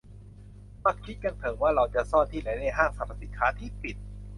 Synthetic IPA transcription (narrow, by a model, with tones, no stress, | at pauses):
ma˧˩kkʰi˦˥t̪̚ka˧nt̪ʰɤː˩˦ŋwaː˥˩ɾa˧wt͡ɕa˨˩sɔː˥˩nt̪ʰiː˥˩la˨˦jnaː˥˩jɦaː˥˩ŋsa˨˧˩pʰa˧˩si˨˩nkʰaː˦˥t̪ʰiː˥˩pi˨˩t̪̚